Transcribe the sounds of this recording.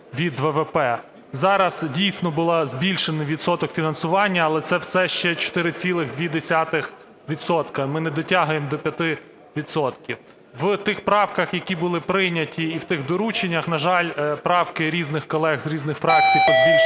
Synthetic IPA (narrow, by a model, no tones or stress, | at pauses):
ʋʲid̪ʋɛʋɛpɛ | zɑɾɐz̥dʲijsʲnɔbʊlˠɑzbʲilʲʃenɐʋʲit̪sɔt̪ɔkfʲinɐnsʊʋɑnʲːɐːlˠɛt̪sɛwsɛʃt͡ʃɛt͡ʃɔ̥t̪ɪɾɪt͡sʲilˠɪɣd̪ʲʋʲid̪esʲat̪ɪx | ʋʲid̪sɔt̪kɐmɪnɛd̪ɔtʲɑɦʊjemd̪ɔpʲjɐt̪ɪ | ʋʲid̪sɔt̪kʲiw | ʋt̪ɪxpɾɑwkɐxjɐkʲibʊlˠɪpɾɪnʲɐtʲʰiːwt̪ɪɣd̪ɔɾut͡ʃenʲːɐxnɐʒɑlʲpɾɑwkɪɾʲiznɪxkɔlˠɛɣzɾʲiznɪxfɾɑk̚t͡sʲijpɔbʲi